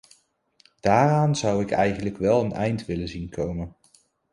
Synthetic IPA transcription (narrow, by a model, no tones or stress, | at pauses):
d̥aːraːnz̥ʌwɪkɛjχənləkʋɛlˠənɛjntʋɪlənzinkʰowmən